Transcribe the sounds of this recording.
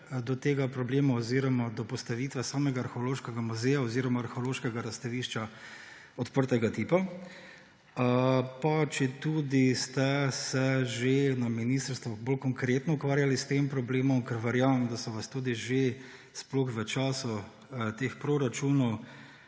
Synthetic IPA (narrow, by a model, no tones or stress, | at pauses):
d̪ɔt̪eːɡapɾɔbleːmaɔziɾɔmad̪ɔpɔst̪aʋiːt̪ʋɛsaːmɛɡaːɾxoloːʃkɛɡamuzɛjaɔziɾɔmaːɾxoloːʃkɛɡaɾast̪aʋiːʃt͡ʃa | ɔt̪pəɾt̪ɛɡat̪ipa | pat͡ʃɛt̪ud̪ist̪ɛsɛʒenaminiːst̪əɾst̪ʋɔboːlkɔŋkɾeːt̪nɔukʋaːɾjalist̪eːmpɾɔbleːmɔmkɛɾʋɛɾjaːʋɐmd̪asɔʋast̪uːd̪iʒe | sploxʋət͡ʃaːsu | t̪eːxpɾoɾat͡ʃunɔw